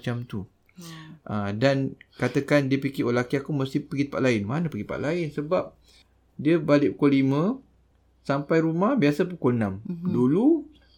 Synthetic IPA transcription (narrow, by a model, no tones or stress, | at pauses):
t͡ʃamt̪u | ʔədankat̪əkandiəpikiolakiakuməst̪ɪhpəɡit̪əpa̰ʔ̪laɪnma̰napəɡipa̰ʔ̪laɪnsəbap̚ | diəbalɪʔukolimə̃ | sampajɾumahbiasəp̬ukonãmdulu